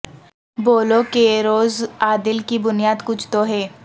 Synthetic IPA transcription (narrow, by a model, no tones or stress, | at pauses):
boːlokeɾoːzaːd̪ɪlkibʊnijaːd̪kʊt͡ʃʰt̪oɦɛː